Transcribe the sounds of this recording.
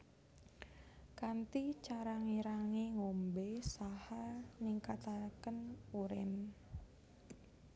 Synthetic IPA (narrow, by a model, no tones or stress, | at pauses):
kant̪it͡ʃaɾaŋiɾaŋeŋombesahaniŋkat̪akənuɾɪ̰n